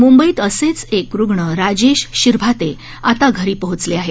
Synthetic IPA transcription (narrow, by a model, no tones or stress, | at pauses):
mumbəiːt̪əset͡sekɾuɡɳəɾad͡ʑeɕɕiɾbʱat̪e | at̪aɡʱəɾiːpəɦut͡sleaɦe